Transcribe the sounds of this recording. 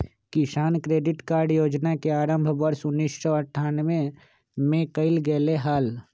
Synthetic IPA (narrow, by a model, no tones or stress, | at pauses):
kɪsaːnkɾeːɖɪʈkaːɾɖjoːd͡ʒnakeaːɾə̃mbʱʋəɾsʊnːiːssɔəʈʰːaːnʋẽ | mẽkəɪlɡɛːleɦaːl